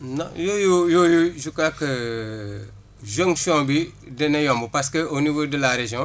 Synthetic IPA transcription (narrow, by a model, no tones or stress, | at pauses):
nɔ̰̃jojojojuʒukakə | ʒõŋʃɔ̃bi | dɛnɛjɔ̃mbupaskəonivodəlaɾeʒjɔ̃